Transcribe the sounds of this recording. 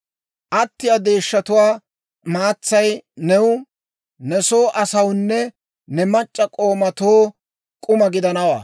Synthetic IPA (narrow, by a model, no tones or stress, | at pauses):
ʔɐt̪ːɪjɐd̪e̞ːʃːɐt̪ʊwaː | maːt͡sːɐjnɛwʊ | nɛso̞ːʔɐsɐwnːɛ | nɛmɐt͡ʃʼːɐkʼo̞ːmɐt̪oː | kʼʊmɐɡɪd̪ɐnɐwa̰ː